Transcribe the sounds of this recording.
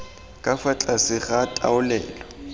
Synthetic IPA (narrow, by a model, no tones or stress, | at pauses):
kʼafat͡ɬʼasɪχatʼa̰ʊlɛ̰ːlɔ